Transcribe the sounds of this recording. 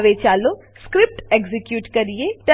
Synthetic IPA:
ʋet͡ʃaːlo | skɾɪp̚ʈeɡzikjuːʈkəɾijeʈə

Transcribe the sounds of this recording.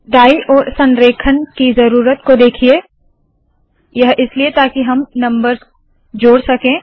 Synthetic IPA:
ɖaːiʔɔːɾsɐ̃nɾeːkʰənkizɐɾuːɾət̪kod̪eːkʰieː | jɐɦʔɪsliet̪aːkiɦɐmnɐ̃mbəɾz | d͡ʒoːɽsɐkẽː

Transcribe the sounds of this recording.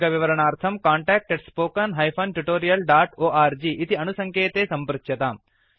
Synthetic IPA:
ɡɐʋiʋɐɾɐɳaːɾt̪ʰɐmkaːɳʈaːk̚ʈeɖspoːkɐnɦɐjpʰɐnʈuʈoːɾijɐlɖaːʈoːʔaːɾd͡ʒiːʔit̪iɐnusɐŋkʰeːt̪eːsɐmpɾɐtʃjɐt̪am

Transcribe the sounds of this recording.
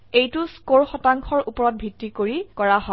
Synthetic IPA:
ejtʊskoɹxɔtaŋkʰɔɹupɔɹɔt̚bʱitɹikoɹikɔɹaɦɔ

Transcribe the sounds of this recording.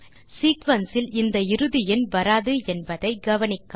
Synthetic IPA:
siːkʋɐnsɪlɪnd̪ɐɪɾɯðɪjɪnʋɐɾaːðɯɛnbɐðɐɪɡɐʋɐnɪkːa

